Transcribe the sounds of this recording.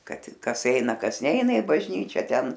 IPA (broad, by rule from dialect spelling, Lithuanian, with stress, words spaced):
ˈkɐt ˈkɐs ˈɛɪnɐ ˈkɐs ˈnʲɛɪnɐ ɪ bɐʒʲˈnʲiːt͡ʃʲɛ ˈtʲɛn